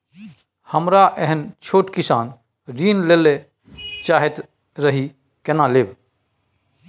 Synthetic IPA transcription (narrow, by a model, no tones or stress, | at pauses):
həmɾaʔɛɦənt͡ʃʰoːʈkisaːn | ɾiːnlele | t͡ʃaːɦɛt̪ | ɾəɦi | kenaleːb